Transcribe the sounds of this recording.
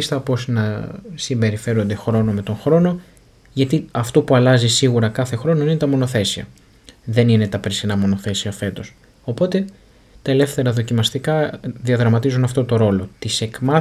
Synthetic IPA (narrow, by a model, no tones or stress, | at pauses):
ist̪ɐpo̞sinɐsimbe̞ɾife̞ɾo̞nd̪e̞xɾo̞no̞me̞t̪o̞nxɾo̞no̞ | ʝɐt̪iɐft̪opuɐlɐzisiɣuɾɐkɐθe̞xɾo̞no̞ine̞t̪ɐmo̞no̞θe̞siɐ̰ | ðe̞nine̞t̪ɐpɾisinɐmo̞no̞θe̞siɐfe̞t̪o̞s | o̞po̞t̪e̞ | t̪ɐele̞fθe̞ɾɐðo̞cimɐst̪ikɐðiɐðɾɐmɐt̪izunɐft̪o̞t̪o̞ɾo̞lo̞t̪ise̞kmɐ